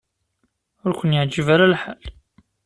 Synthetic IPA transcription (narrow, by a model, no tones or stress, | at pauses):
ʊɾkʷənjəʕd͡ʒəvaɾalħal